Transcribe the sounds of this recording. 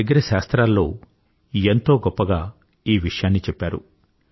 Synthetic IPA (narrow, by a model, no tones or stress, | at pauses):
ɡːɐɾɐʃaːst̪ɾaːlːo̞ː | ent̪o̞ːɡɔpːɐɡaː | iːʋiʂɐjaːnːit͡ʃɛpːaːɾṵ